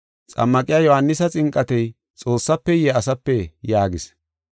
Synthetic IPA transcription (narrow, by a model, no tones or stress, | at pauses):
t͡sʼɐ̰mːɐkʼɪjaːjɔhɐnːɪsɐt͡sʼɪŋkʼːɐt̪ɛj | t͡sʼo̞ːsːɐpːɛjɛɐsɐpːɛjaːɡɪs